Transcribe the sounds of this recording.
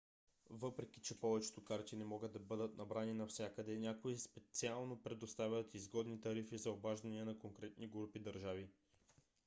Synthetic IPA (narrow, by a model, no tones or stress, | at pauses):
vɤpɾɛk̟it͡ʃɛpɔvɛt͡ʃɛ̥t̪okaɾt̪inɛmɔɡəd̪ːɐbɤd̪ət̪nɐbɾaninɐfsʲjakəd̪ɛnʲjakoispɛt̪sialˠnopɾɛd̪ost̪avʲət̪izɡɔd̪nit̪ɐɾifizɐobaʒd̪ɐniɛnɐkoŋkɾɛt̪niɡɾupid̪ɐɾʒavi